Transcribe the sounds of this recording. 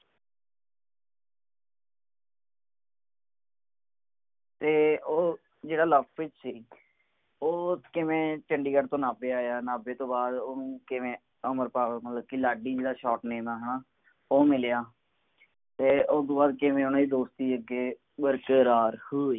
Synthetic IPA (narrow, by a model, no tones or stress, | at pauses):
t̪eːoː | d͡ʒeːɽaːləpʰːʋɪt͡ʃsiː | oːkɪʋẽːt͡ʃəɳɖiːɡəɖt̪õːnaːbeːaːjaːnaːbeːt̪õːbaːd̪oːnũːkɪʋẽː | əməɾpaːəːmət̪ləb̚kiːlaːɖiːd͡ʒeːdaːʃɔːʈneːmaːɦənaː | oːmɪljaː | t̪eːʔosd̪õːbaːd̪kɪʋẽːonaːiːd̪oːst̪iːəɡeː | bəɾkəɾaːɾhoːiː